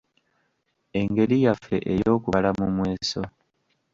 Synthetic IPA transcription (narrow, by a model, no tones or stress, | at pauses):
e̞ŋɡe̞ɾijafe̞̰ʔejo̞ːkuβalamumwe̞ːso̞